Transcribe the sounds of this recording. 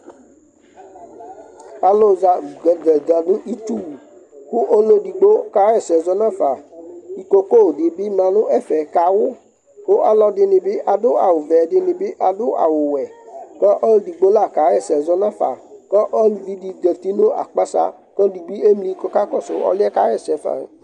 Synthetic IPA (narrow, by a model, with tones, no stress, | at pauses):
a˨lo˦za˨ɡdɛ˨da˨nʊ̃˦ʔi˦tu˦wu˨ | kʊ˦ʔo˦lo˦di˨ɡ͡bo˦ka˨˦ɛ˦˨sɛ˨zɔ˨˦nã˦fa˨i˨ko˦ko˦˨dɪ˨bɪ˦mã˨nʊ̃˦ɛ˦fɛ˨ka˨wʊ˦ | kʊ˦ʔa˦lɔ˧dɪ˧nɪ̃˧bɪ˦ʔa˨dʊ˦a̰˨wʊ˨vɛ˨dɪ˧nɪ̃˨bɪ˦ʔa˨dʊ˦ʔa̰˨wʊ˨wɛ˨kɔ˦ʔo˦ldi˨ɡ͡bo˦la˦˨ka˨˦ɣɛ˦˨sɛ˨zɔ˦nã˦˨fa̰˨kɔ˦ʔɔ˦lvi˦di˨dɛ˨t̪i˦nʊ̃˦a̰˨k͡pa˦sa̰˧˨ | kɔ˦di˨bi˦e˦mlĩ˦kɔ˦ka˦kɔ˦˨sʊ˨ɔ̰˦lɪ˦ɛ˦ka˦ɛ˦˨sɛ˨˦fa̰˨